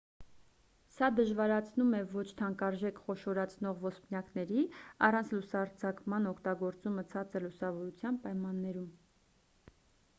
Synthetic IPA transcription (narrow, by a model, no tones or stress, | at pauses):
sɑd̪əʒvɑɾɑt͡sʰnumɛvɔt͡ʃʰt̪ʰɑŋkɑɾʒɛkχɔʃɔɾɑt͡sʰnɔʁvɔspnjɑknɛɾiɑrɑnt͡sʰlusɑɾt͡sʰɑkmɑnɔkʰt̪ɑɡɔɾt͡sumət͡sʰɑt͡səlusɑvɔɾut͡sʰjɑnpɑjmɑnːɛɾum